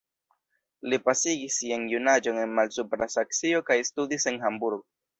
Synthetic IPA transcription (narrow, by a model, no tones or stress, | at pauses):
lipasiɡisːianjunad͡ʒo̞ne̞nmalsupɾasak̚t͡sio̞kajstudise̞nɦambuɾɡo